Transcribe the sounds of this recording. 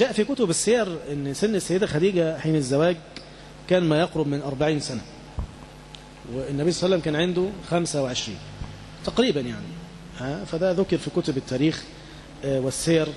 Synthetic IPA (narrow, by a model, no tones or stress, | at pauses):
d͡ʒæːʔfikʊt̪ʊbɪsːeːɾˤʔɪnːsɪnːɪsːæjːɪd̪ælxæd̪iːɡæħiːnɪzːæwæːɡ | kæːnmæjɑqɾʊbmɪnʔɑɾˤbaʕiːnsæna | wɪnːæbiːsˤɑsælːæmkæːnʕend̪ʊxæmsawɪʕeʃɾḭːn | t̪ɑqɾiːbanjaʕni | ʔæːfæd̪æðʊkɪɾfikʊt̪ʊbɪt̪ːæːɾiːx | wɪsːeːɾ